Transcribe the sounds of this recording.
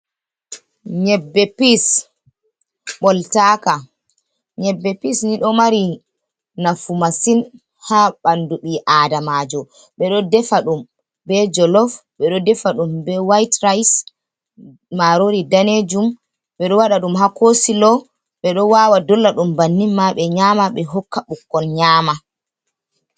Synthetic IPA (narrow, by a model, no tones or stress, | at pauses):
ɲɛbːɛpis | ɓɔltaːka | ɲɛbːɛpisniɗɔmaɾi | nafumasin | haɓanduɓiʔadamad͡ʒɔ | ɓɛɗɔdɛfaɗum | bɛd͡ʒɔlɔfɓɛɗɔdɛfaɗumbɛwajtɾajs | aɾoɾidaned͡ʒum | ɓɛɗɔwaɗaɗumɦakosilɔ | ɓɛɗɔwaːwadɔlːaɗumbanːimːaɓɛɲaːmaɓɛɦɔkːaɓukːɔnɲaːma